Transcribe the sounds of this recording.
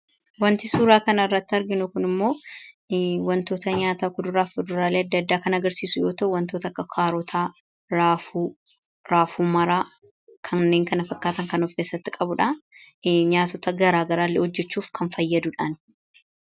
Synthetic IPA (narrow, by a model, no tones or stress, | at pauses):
wɐnt̪ɪsuːɾaːkɐnɐɪrːɐt̪ːɪɐɾɡɪnʊkʊnɪmːo̞ː | wɐnt̪o̞ːt̪ɐɲaːt̪aːkʊd̪ʊɾaːfʊd̪ʊɾaːle̞ːɐd̪ːɐːd̪ːaːkɐnɐɡɐɾsiːsʊjo̞ːt̪ɐʔʊwɐnt̪oːt̪ɐkːɐkʰaːɾɔt̪ʰaː | ɾaːfu | ɾaːfuːmɐɾaː | kʰɐnːe̞ːŋkɐnɐfɐkːaːt̪ɐŋkɐnufkeːsːɐt̪ːɪkʼɐbʊᶑa | ɲaːt̪ɔt̪ɐɡɐɾaːɡɐɾaːlːɛhɔd͡ʒːɛt͡ʃːuːfkʰɐnfɐjːɐd̪ʊᶑan